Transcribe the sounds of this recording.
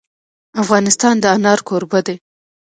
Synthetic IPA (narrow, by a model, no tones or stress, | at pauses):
afɣɑnɪst̪ɑnd̪əanɑɾkoɾbad̪e